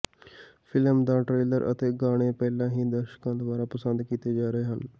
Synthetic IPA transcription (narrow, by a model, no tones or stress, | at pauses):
pʰɪlmd̪aːʈɾeːləɾʔə̰t̪eːɡaːɽ̃eːpɛːlãːɦĩːd̪əɾʃkãːd̪əʋaːɾaːpəsənd̪kiːt̪eːd͡ʒaːɾəeːɦən